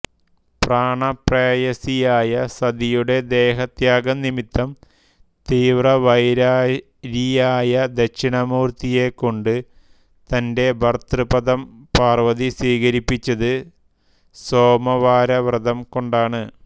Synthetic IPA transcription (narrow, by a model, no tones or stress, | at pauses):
praːɳɐpreːjɐsijaːjɐsɐd̪ijuɽe̞d̪e̞ːɦɐt̪jaːɡɐnimit̪ːɐm | t̪iːʋrɐʋɐjɾaː | ɾijaːjɐd̪ɐkɕiɳɐmuːrt̪ije̞kːo̞ɳɖɨ | t̪ɐnde̞bʱɐrt̪rɨpɐd̪ɐmpaːrʋɐðisiːkɐɾipːit͡ɕːɐðɨ | so̞ːmɐʋaːɾɐʋrɨd̪ɐmko̞ɳɖaːɳɨ